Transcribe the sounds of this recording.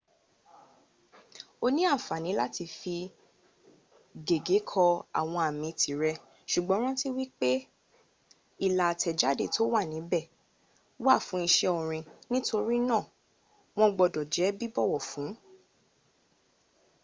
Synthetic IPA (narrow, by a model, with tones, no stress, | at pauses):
o˧nĩ˦a˦˨fa˨nĩ˨˦la˦ti˧fi˧ | ɡe˨ɡe˨˦kʰɔ˧a̰˨w̃ɔ̃˧a˨mĩ˧tʰi˨ɾɛ˧ | ʃu˨ɡ͡bɔ̃˨˦ɾ̃ã˦ti˦wi˦k͡pe˦ | i˦˨la˨tʰɛ˨d͡ʒa˨˦de˦˨to˦wa˦˨nĩ˨˦bɛ˦˨ | wa˦˨fũ˨˦i˧ʃɛ˧ɔ˨ɾ̃ĩ˧nĩ˦to˧ɾi˦nã˦˨ | w̃ɔ̃˦ɡ͡bɔ˧dɔ˨d͡ʒɛ˨˦bi˦bɔ˦˨wɔ˨fũ˨˦